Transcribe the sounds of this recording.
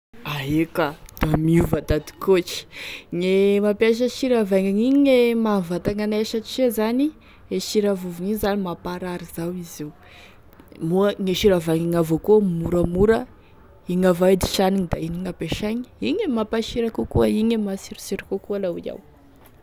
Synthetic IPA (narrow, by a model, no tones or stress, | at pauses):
aɦekad̪̥amiuvad̪ad̪i̥kot͡ʃi̥ŋemapaʃ̬əʃiɾavaŋaŋiɲemavat̪aŋanaeʃat͡ʃezani | eʃiɾavuviɲiɲzanimapaɾaɾizawiziw | muəŋeʃiɾavaŋaŋavokuəmuɾamuɾə | iŋavad̪iʃaniɲid̪ainiŋapeʃaɲi̥iɲemapaʃiɾakukuaiɲemasiɾisiɾikukualawia̰w